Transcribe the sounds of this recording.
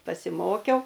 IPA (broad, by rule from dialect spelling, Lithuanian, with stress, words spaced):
pɐsʲɪˈmoːkʲɛʊ